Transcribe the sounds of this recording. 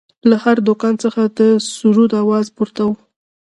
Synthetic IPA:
lahaɾd̪ʊkɑnt͡səxad̪əsuɾud̪awɑzpuɾt̪aw

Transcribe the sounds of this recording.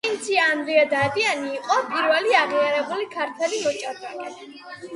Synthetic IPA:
int̪sʰiaːnd̪ɾiad̪ad̪ianiːqʼɔpʼiɾvɛliaʁiaɾɛbulikʰaɾt̪ʰɛlimɔt͡ʃʼaɾd̪ʼakʼɛ

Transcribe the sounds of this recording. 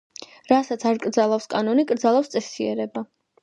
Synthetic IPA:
ɾasat̪sʰaɾkʼɾd̪zalˠafskʼanɔnikʼɾd̪zalˠafst̪sʼɛsiɛɾɛba

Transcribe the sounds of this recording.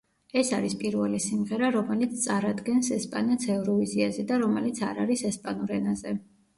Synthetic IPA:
ɛsaɾispʼiɾvɛlisimʁɛɾaɾɔmɛlit̪sʰt̪sʼaɾad̪ɡɛnsɛspʼa̰nat̪sʰɛvɾɔiziazɛd̪aɾɔmɛlit̪sʰa̰ɾaɾisɛspʼanuɾɛnazɛ

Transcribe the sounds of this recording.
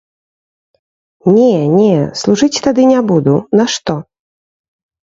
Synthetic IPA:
nʲɛnʲɛslˠuʐɨt͡sʲt̪ad̪ɨnʲabud̪unɐʂt̪ɔ

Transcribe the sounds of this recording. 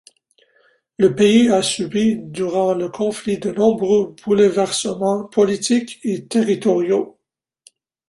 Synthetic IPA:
ləpeiasybid̪yʁɑ̃ləkʰɔ̃flid̪ənɔ̃bʁøbulvɛʁsəmɑ̃pʰɔlit̪ʰiket̪eʁit̪ɔʁjo

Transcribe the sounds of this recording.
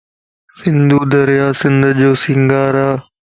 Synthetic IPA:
sɪnd̪uːd̪ɐɾjaːsɪnd̪d͡ʒoːsiŋɡaːɾaː

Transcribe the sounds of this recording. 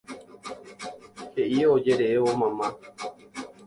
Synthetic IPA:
heʔiod͡ʒeɾeeʋomãmã

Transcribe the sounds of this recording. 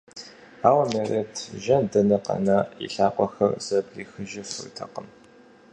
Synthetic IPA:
aːwɐmeːretʰʒɐndɐnɐqʼɐ̰nɐḭɬaːqʷʼɔxɐrsɐbriːxɨʒɐfɨ̰r̰tʰɐqəm

